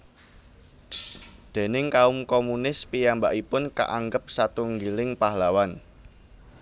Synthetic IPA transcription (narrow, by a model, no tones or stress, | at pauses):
d̪̥e̤nɪŋkaʊmkomunɪspijambaʔipʊnka̰ʔaŋɡəp̚sat̪uŋɡilɪŋpaɦlawan